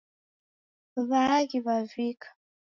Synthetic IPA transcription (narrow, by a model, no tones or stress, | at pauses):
βakiβavikḁ